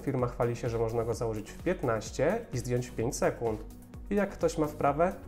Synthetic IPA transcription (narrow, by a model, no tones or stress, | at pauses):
fʲiɾmaxfalʲiɕɛʐɛmɔʐnaɡɔzawɔʐɘt͡ɕfpʲjɛt̪naɕt͡ɕɛizd̪ʲjɔɲt͡ɕpʲjeɲt͡ɕsɛkunt̪ | ijakːt̪ɔɕmafpɾavɛ